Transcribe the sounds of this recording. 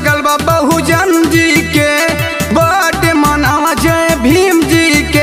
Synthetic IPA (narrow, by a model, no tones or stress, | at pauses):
ɡəlbabəɦud͡ʒɐnd͡ʒike | bəʈemanaʋad͡ʒəẽbʱimd͡ʒike